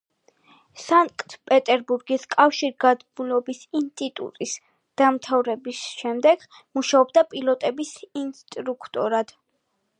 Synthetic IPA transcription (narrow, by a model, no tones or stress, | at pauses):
saŋkʼt̪ʰpʼɛt̪ʼɛɾbuɾɡiskʼafʃiɾɡad̪mulɔbisinst̪ʼit̪ʼṵt̪ʼis | d̪̥amt̪ʰavɾɛbisʃɛmd̪ɛɡ̥ | muʃaɔbd̪apʼilˠɔt̪ʼɛbisinst̪ʼɾukʰt̪ʼɔɾad̪̥